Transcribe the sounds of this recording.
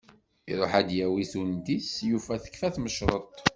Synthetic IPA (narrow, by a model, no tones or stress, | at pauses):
ḭɾˤoħæd̪jæwiθund̪isjufæθə̥kːfæθməʃɾˤət̪ˤ